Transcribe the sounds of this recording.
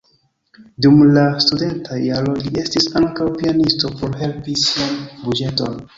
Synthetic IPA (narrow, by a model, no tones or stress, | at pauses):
dumlastude̞ntʰaialo̞lie̞stisaŋkawpianisto̞po̞ɾhe̞lpisianbud͡ʒe̞to̞̰n